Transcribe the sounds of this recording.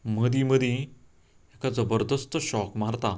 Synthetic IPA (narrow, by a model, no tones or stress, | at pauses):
məd̪iməd̪ʱĩ | ekad͡zəbəɾd̪əst̪ɕɔkmaɾt̪a